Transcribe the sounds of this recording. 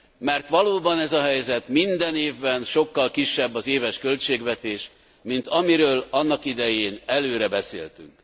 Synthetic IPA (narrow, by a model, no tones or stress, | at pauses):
mɛrt̪ʋɒloːbɒnɛzɒɦɛjzɛt̪mind̪ɛneːvbɛnʃo̞kːɒlkiʃːɛbːɒzeːvɛʃkø̞lt͡ʃeːɡʋɛt̪eːʃ | mint̪ɒmiɾøːlɒnːɒkid̪ɛjeːnɛløːɾɛbɛsḛːlt̪y̰ŋk